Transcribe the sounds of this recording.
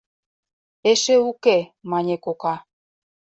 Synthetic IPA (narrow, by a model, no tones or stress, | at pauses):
eʃeukemɑnʲekokɑ